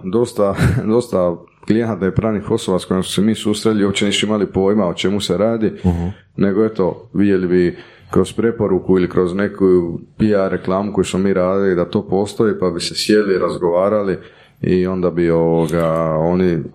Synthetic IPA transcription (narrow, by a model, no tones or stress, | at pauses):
d̪o̞st̪ad̪o̞st̪a | ɡlijenat̪naipɾaːnixo̞so̞basko̞jemsmu̥semiːsuːst̪ɾeliopt͡ɕeniːsuimalipo̞ːjmaot͡ʃe̞muse̞ɾaːd̪i | ne̞ɡoe̞t̪o̞ʋid̪je̞libi | kɾo̞spɾe̞po̞ɾukuilikɾʔo̞zne̞kujupiaɾe̞klˠaːmuko̞jusmomiːɾaːd̪ilid̪at̪o̞ːpo̞ːst̪o̞ipabise̞sje̞liɾazɡo̞ʋaːɾali | io̞nd̪abio̞ʋoɡao̞ni